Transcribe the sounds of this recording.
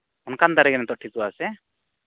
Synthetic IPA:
ɔnkand̪aɾɛɡɛnɛt̪ɔʔʈʰikuasɛ

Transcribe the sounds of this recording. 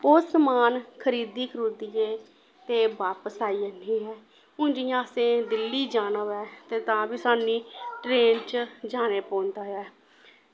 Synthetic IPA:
osəmaːnkʰəɾiːd̪iːkɾud̪ieː | t̪eːbaːpəsaːiːəniːɦɛː | ʊ̃nd͡ʒĩːaːsẽːd̪ɪlːiːd͡ʒaːnəʋɛːt̪eːt̪ãːbiːsaːniːʈɾeːnt͡ʃd͡ʒaːneːpõːnd̪aːɛː

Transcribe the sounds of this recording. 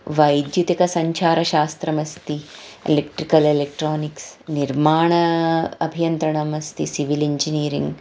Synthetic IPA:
ʋɐjd̪jut̪ikɐsɐɲt͡ʃʰaːɾɐʃaːst̪ɾɐmɐst̪iḛlekʈɾikɐlelek̚ʈɾoːniksniɾmaːɳɐɐbʱijɐnt̪ɾɐɳɐmɐst̪isiʋiliɲd͡ʒiniːɾḭŋɡ

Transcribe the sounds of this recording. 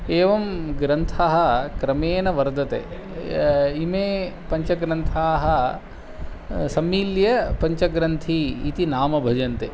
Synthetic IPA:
eːʋɐmɡɾɐnt̪ʰaɦɐ̆kɾɐmeːnɐʋɐɾd̪ʱɐt̪ḛ | imeːpɐɲt͡ʃɐɡɾɐnt̪ʰaːɦɐ̆ | sɐmːiːljɐpɐɲt͡ʃɐɡɾɐnt̪ʰiːt̪inaːmɐbʱɐd͡ʒɐnt̪e

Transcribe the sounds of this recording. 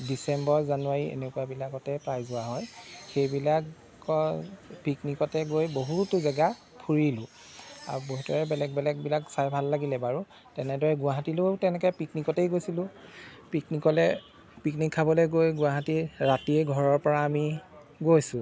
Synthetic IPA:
disɛmbɔɹzanuwaɹiḛnekuwabilakɔtɛpɹajzʊwaɦɔjxejbilak | ɔpiknikɔtɛɡojboɦutʊzaɡa | pʰuɹilʊ̃ | a̰boɦutɔɹɛbɛlɛk̚bɛlɛk̚bilaksajbʱalːaɡilɛbaɹu | tɛnɛdɔɹɛɡʊaɦatilʊtɛnɛkɔɛjpiknikɔtejɡojsilʊ̃piknikɔlɛ | piknikʰːabɔlɛɡojɡʊaɦatiɹatiɛɡʱɔɹɔɹpɔɹaːmi | ɡojsʊ̃

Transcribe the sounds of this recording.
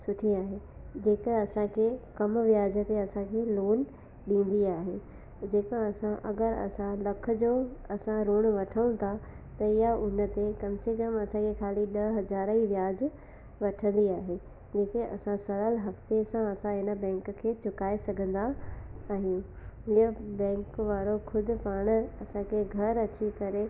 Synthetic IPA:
sʊʈʰiaːɦed͡ʑeːkɐsãkʰekɐmʋjaːd͡ʑə̆t̪eɐsãkʰeːloːn | ɗĩːn̆d̪iaːɦe | d͡ʑeːkãɐsãʔɐɡəɾɐ̰sãlɐk̆ʰd͡ʑoːɐsãɾoːɽ̃ʋɐʈʰəũt̪ʰa | t̪ɐɪjaʊnə̆t̪ekɐmsekɐmɐsãkʰekʰaːliɗɐɦɐzaːɾiʋjaːd͡ʑ | ʋɐʈʰə̃nd̪iaːɦe | d͡ʑeːkeʔɐ̰sãsɐɾəlɦɐft̪esãɐsãɦɪnə̆bɛ̃ːŋkkʰeːt͡ɕʰʊkaːesɐɡʱə̃nd̪aaːɦijũ | ɦɪəbɛ̃ːŋkʋaːɾokʰʊd̪ʊ̆paːɽ̃ɐsãkʰeɡʱɐɾɐt͡ɕikɐɾe

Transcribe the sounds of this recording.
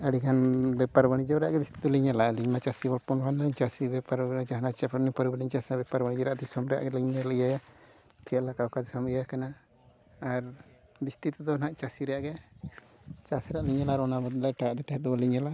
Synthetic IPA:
ɛɽikʰanbɛpaɾbaɽ̃id͡ʒɔɾɛjaʔɡɛbist̪i̥d̪ɔliɲalaliɲmat͡ʃasibɔlpɔnbanlaɲt͡ʃasibɛpaɾt͡ʃaɦnat͡ʃapʰɔɾnipɔɾibɛliɲt͡ʃasabɛpaɾbaɽid͡ʒɛɾaʔd̪isɔmɾɛja̰ʔɡɛliɲːaljaja | t͡ʃɛlakakad̪isɔmɛjakanaː | ɾ | bist̪it̪ɛd̪ɔnaʔt͡ʃasiɾɛjaʔɡɛ | t͡ʃasɛɾaʔliɲalaːɾɔnabɔt̪d̪ajʈaaʔd̪ɛt̪aɦɛd̪ɔaliɲala

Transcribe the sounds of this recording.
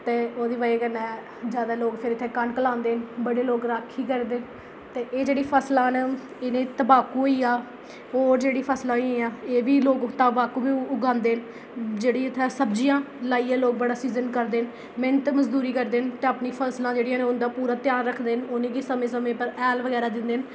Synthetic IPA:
t̪eːoːd̪iːʋaːeːkənːɛː | d͡ʒjaːd̪aːloːɡpʰɪɾɪt̪ʰːẽːkəɳkəlãːnd̪eːnbəɽeːloːɡɾaːkʰːiːkəɾd̪eːn | t̪eːʔeːd͡ʒeːɽiːpʰəslãːn | ɪnẽːt̪əbaːkuːoiːaː | oːɾd͡ʒeːɽiːpʰəslãːĩãːeːʋiːloːɡt̪aːbaːkuːbiːʊɡãːnd̪eːn | d͡ʒeːɽiːɪt̪ʰːɛːsəbd͡ʒijãː | laːiːãːloːɡ̚bəɽaːsiːzənkəɾd̪eːn | mɪ̃nt̪eməzd̪uːɾiːkəɾd̪eːnt̪eːapniːpʰəslãːd͡ʒeːɽijãːneʊnd̪aːpuːɾaːt̪jaːnɾəkʰd̪eːnʊnĩːkiːsəmẽːsəmẽːpəɾɛːlʋəɡɛːɾaːd̪ɪnd̪eːn

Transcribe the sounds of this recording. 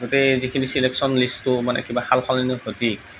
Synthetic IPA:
ɡutezikʰinisileksɔnlistʊmanɛ̰kibahalxʰɔlinokʰoti

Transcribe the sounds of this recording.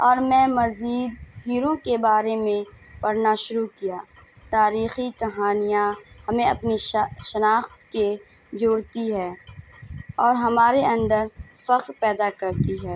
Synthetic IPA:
ɔːɾmɛ̃ːmɐziːd̪̚ɦiːɾõkebaːɾemẽ | pɐɾnaʃʊɾukijaː | t̪aːɾiːxikɐɦaːnijahɐmẽɐpniʃɐnaːxt̪ke | d͡ʒʊːɽt̪iɦɛː | ɔːɾɦɐmaːɾeɐ̃nd̪əɾfɐqɾpɛːd̪akɐɾt̪iɦɛː

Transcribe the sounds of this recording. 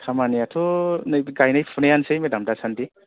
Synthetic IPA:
tʰamaniatʰɔnɯjɡajnajpʰunejansejmedamdasʰandi

